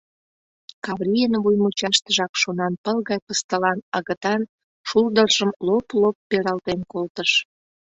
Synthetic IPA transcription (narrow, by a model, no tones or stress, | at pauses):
kɑβrʲijənβujmut͡ɕɑʃt̪əʒɑkʃonɑnpəlɣɑjpəst̪əlɑnəɣə̆t̪ɑn | ʃuld̪ərʒəmloplopːeɾɑlt̪enkolt̪əʃ